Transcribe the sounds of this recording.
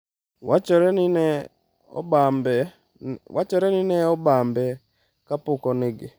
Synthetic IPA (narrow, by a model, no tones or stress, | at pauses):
wat͡ʃɔɾɛnnɛ | ɔ̰bambɛ | wat͡ʃɔɾɛninɛɔbambɛ | kapʊkɔnɪɡɪ